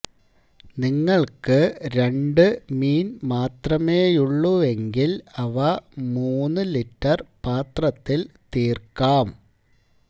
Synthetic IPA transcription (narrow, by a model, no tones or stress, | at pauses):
niŋːɐɭkɨɾe̞ɳɖɨmiːnmaːt̪rɐmeːjuɭːue̞ŋɡilɐʋɐmuːnːɨliʈːɐrpaːt̪rɐt̪ːilt̪iːrkaːm